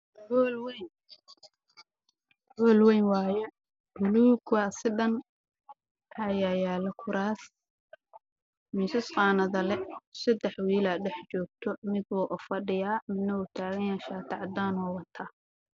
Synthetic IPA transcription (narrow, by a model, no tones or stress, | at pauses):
ɡɔlwɛjn | ɡɔːlwɛjnwɑːjɔ | bʊlukasɪɖɐn | ɐjajaːlɐkʰʊɾʔaːs | mɪsɪsqɑːnɐðɐlɛsɐd̪ɛħwiːlɐɖɛħt͡ʃɔːɡ̚t̪ʰɔmɪd̪wɔːʔɔfɐɖɪjaːmɪd̪nɐʊt̪ʰaːɣɐnjaʃaːt̪ʰɑʕɑd̪aːnɔːwɑt̪ʰaː